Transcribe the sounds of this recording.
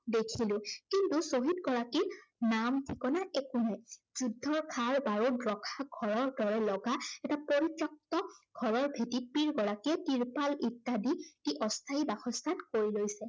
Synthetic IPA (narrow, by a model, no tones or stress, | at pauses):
dekʰilʊ̃kintusoɦitɡɔɹakiɹnamtʰikɔnaʔɛkunɛjzudʱːɔɹkʰaɹbaɹudɹɔkʰaɡʱɔɹɔɹdɔɹɛlɔɡaɛtapoɹitɹɔk̚tɔɡʱɔɹɔɹbʱetipiɹɡɔɹakiɛtiɹpalitːaditiʔɔstʰaibaxʰɔstʰankoɹilojsɛ